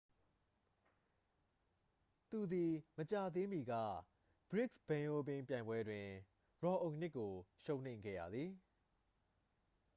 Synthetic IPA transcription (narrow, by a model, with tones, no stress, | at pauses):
t̪u˨d̪i˨mət͡ɕa˨d̪ẽ˦mi˨ɡä̰˦˨ | b̥ɹɪ˦˨ksb̥ɛ̃˨ʔo˦bɪ̃˦mpjã˨ɪ̃mbwɛ˦dwɪ̃˨ | ɹɔ˨ʔõ˨n̥ɪ˦ʔkːo˨ʃõ˦ʊ̃n̥ḛ̃˦˨ŋɡɛ̰˦˨jä̰˨d̪ði˨